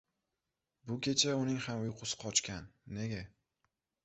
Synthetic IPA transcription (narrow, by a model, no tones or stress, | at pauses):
bʊkʲʰe̞t͡ʃʰaʊnɪŋhamʊqʰʊsɪ̥qʰɒt͡ʃkʲʰanːe̞ɡʲa